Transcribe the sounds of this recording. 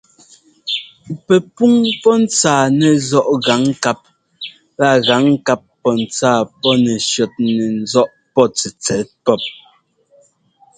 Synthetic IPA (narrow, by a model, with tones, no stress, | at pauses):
pɛ˨pu˦ŋpɔ˦n̩˦t͡saː˨nɛ˨zɔ˦ʔɣa˨˦ŋ˦ka˦p̚ | la˦˨ɣa˨˦ŋ˦ka˦pːɔ˦n̩˨t͡saː˦˨pɔ˦nɛ˨ʃjɔ˨t̚nɛ˨n̩˦zɔ˦ʔ | pɔ˦˨t͡sɛ˨t͡sɛ˨˦t̚pɔ˦p̚